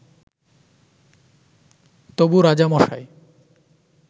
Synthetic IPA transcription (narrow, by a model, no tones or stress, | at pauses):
t̪obuɾad͡ʑamɔʃa̰j